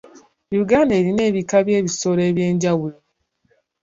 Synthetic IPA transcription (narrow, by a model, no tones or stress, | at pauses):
juɡaːndeːɾine̞ːβikaβje̞ːβiso̞le̞ːβje̞ːɲɟawulo